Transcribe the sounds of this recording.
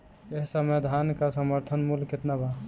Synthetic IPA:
eɦsəmed̪ʱankasəməɾt̪ʰənmulket̪naba

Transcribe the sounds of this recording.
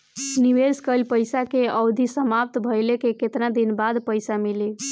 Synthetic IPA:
niʋeskəlpəjsakeəwd̪ʱisəmap̚t̪bʱəjlekeket̪nad̪inbad̪pəjsamili

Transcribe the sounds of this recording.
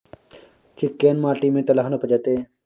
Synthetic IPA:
kʰɪkːeːnmaːʈiːmẽːt̪ɐlaɦnopəd͡ʒət̪eː

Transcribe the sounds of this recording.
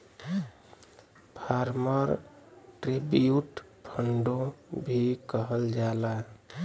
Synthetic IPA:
pʰaɾməɾ | ʈɾebijuʈ | pʰəɳɖobʱikəɦəld͡ʒala

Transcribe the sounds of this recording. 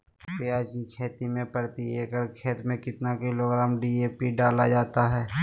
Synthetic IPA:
piaːd͡ʒkikʰeːt̪imẽpəɽt̪ieːkəɾkʰeːt̪mẽkɪt̪nakɪloːɡɾaːmɖiːeːpiɖaːlad͡ʒaːt̪aɦɛː

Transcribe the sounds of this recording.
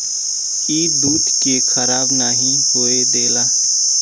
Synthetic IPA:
iːd̪uːt̪kekʰəɾaːbnaːɦĩɦoːed̪eːlaː

